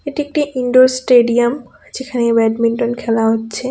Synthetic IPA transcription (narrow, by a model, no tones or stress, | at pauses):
eʈiek̚ʈiʔiɳɖoɾsʈeɖiam | d͡ʑekʰanebɛɖminʈonkʰɛlaɦotːɕʰe